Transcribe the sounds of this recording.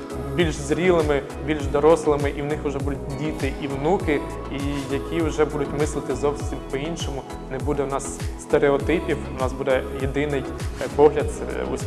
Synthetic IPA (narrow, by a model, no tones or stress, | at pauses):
bʲilʲʒzɾʲilˠɪmɪ | bʲilʲʒd̪ɔɾɔslˠɪmɪʔiwnɪxʊʒɛbud̪ʊt̚ʲdʲit̪ɪʔiwnukɪ | ijɐkʲiwʒɛbud̪ʊtʲmɪslˠɪt̪ɪzɔwsʲimpɔinʃɔmʊ | nɛbud̪ɛwnɑsːt̪eɾeɔt̪ɪpʲiwnɑzbud̪ɛjed̪ɪnɪjpɔɦlʲɐt̪̚sɛ̰ṵ